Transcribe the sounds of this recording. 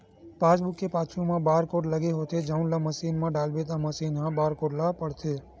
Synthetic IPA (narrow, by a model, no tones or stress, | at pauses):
pasbukːepat͡ʃʰumãbaɾkoʈləɡeɦot̪ʰed͡ʒaunlaməsinmãɖalbet̪̬aməsinɦãbaɾkoʈlapəɽt̪ʰe